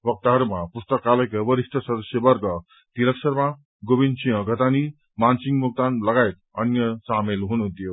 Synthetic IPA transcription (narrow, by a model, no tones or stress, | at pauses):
ʋək̚t̪aɾmapust̪əkaləjkəʋəɾiʂʈʰəsəd̪əsjəbɐɾɡə | t̪iləkʂəɾmã | ɡoʋĩnd̪t͡ʃĩjə̃ɡʱət̪ani | mansĩŋɡmuk̚t̪anlɐɡajt̪̚ | ɐ̰njəsaːmelɦoñot̪ijo